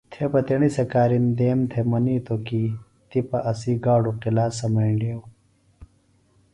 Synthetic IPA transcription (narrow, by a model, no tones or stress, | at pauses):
t̪ʰepɐt̪iɳisɐkaːɾind̪eːmt̪ʰemɐniːt̪oki | t̪ipɐʔɐsiːɡaːɽuqilaːsɐmɐiɳɖjew